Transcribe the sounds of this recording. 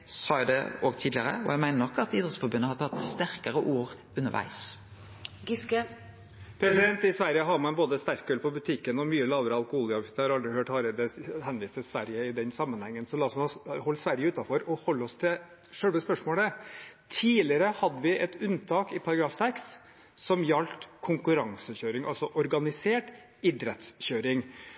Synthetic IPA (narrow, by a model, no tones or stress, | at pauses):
sɑːd̪ɛ̰oːɡt̪ʰiːd̪lɪəɾə̰ɔ̰jæmæɪnənɔkːɑt̪iːd̪ɾət̪sfɔɾbʉnːəhɑt̪ʰɑt̪ːst̪æɾkəɾəʔuːɾ | ʉnəɾʋʔæ̰ɪs | ɡk | pʰɾɛsɪd̪ɛnt̪ɪsʋæɾjəɦɑɾmɑnboːd̪əst̪æɾkːøːlpʰɔbʉt̪ʰɪkːənɔmyːəlɑːʋəɾəɑlˠkʊhuːljɑʋt̪ːhɑɾɑld̪ɾɪhøːʈhɑːɾɛd̪əhɛnʋiːst̪əsʋæɾjəɪd̪ɛnsɑmːənhɛŋːənsɔlɑːsɔnɑhɔlːsʋæɾjəʉːt̪ɑfɔɾɔhɔlːɔst̪ʰɪ | ʂœɽʋəspœʂmoːlət̪ʰiːlɪəɾəhɑd̪ːəʋɪʔɛt̪ʉnt̪ʰɑːkɪpʰɑɾɑɡɾɑːfsɛksː | ɔmjɑlt̪kʰʊŋkʉɾɑŋsəçøːɾɪŋʔɑlsɔʔɔɾɡɑnɪseːʈ | ɪd̪ɾɛt̪sçøːɾɪŋ